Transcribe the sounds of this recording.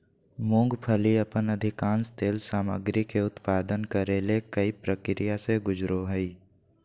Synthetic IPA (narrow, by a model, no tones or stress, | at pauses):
mõːŋɡpʰəliɐpənəd̪ʱɪkãːnst̪eːlsaːmə̰ɡɾikeʊt̪paːd̪ənkəɾeːlekəipɾəkɾijaseɡʊd͡ʒɾoɦəiː